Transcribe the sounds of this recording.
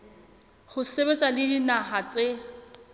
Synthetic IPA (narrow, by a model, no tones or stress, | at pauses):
χʊsebet͡sʼalɪdinaɦat͡sʼe